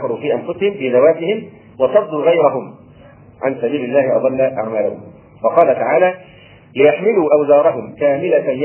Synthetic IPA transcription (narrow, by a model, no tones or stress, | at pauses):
ɑɾˤuːfiːʔanfʊsɪhɪmfiːzawaːzɪhɪm | wɑsˤɑd̪ˤːuːɣajɾaɦʊm | ʕa̰nsabiːlɪlːaːhɪʔɑ̰d̪ˤɑlːaʔa̰ʕmaːlʊ̰hʊ̰m | wɑqɑːlat̪aʕaːlaː | lɪjaħmɪluːʔawzɑːɾˤɑɦʊmkaːmɪlanj